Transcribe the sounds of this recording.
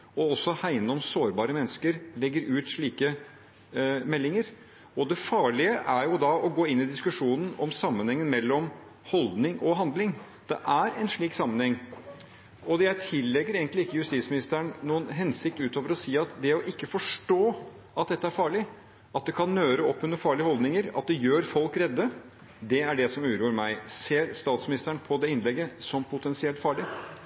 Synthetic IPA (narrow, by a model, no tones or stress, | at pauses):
ɔɔsːɔhæɪnɔmsoːɾbɑːɾəmɛnːəskəɾlɛɡːəɾʉːt̪ʂɭiːkə | mɛlːɪŋəɾ | ɔd̪ɛfɑːɭɪəʔæɾjʊd̪ɑʔɔɡoːɪnːɪd̪ɪskʉʂuːnən̩ɔmsɑmːənhɛŋːənmɛlːɔm | hɔld̪nɪŋʔɔɦɑnd̪lɪŋ | d̪̥ɛ̰ʔæɾɛnʂɭiːksɑmːənhɛŋː | ɔjæɪt̪ʰɪlːɛɡːəɾeːɡənt̪lɪɪkːəjʉst̪iːt̪smɪnɪst̪əəɳnuːənɦɛnsɪk̚t̪ʉːt̪oːʋəɾɔsiːɑt̪d̪ɛɔʔɪkːəfɔʂʈoː | ʔɑt̪̚d̪ɛt̪ːəæɾfɑːɭɪ | ɑt̪̚d̪ɛkʰɑnːøːɾəɔpːʉnːəɾfɑːɭɪəhɔld̪nɪŋəɾɑ̰t̪̚d̪ɛjøːɾfɔlkɾɛd̪ːə | d̪ɛæɖɛsɔmʉːɾuːəɾmæɪseːɾst̪ɑːt̪smɪnɪst̪əɳpʰɔd̪ɛɪnlɛɡːəsɔmpʰʊt̪ʰɛnsɪɛlt̪fɑːɭɪ